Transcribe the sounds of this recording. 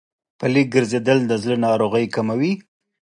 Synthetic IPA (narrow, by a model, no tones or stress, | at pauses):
pəlik̚ɡəɾzed̪əld̪əzlənɑɾoɣəjkamawi